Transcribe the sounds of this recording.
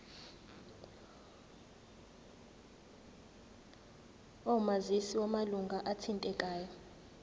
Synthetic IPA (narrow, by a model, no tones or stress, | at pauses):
ɔumazisiwamaluŋɡʱaʔatʰintʼɛkʼaːjɔ